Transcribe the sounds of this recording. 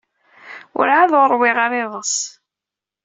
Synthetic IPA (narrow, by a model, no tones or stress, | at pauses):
ʊ̰ɾʕaðoɾˤwɪʁɑɾɪðˤəs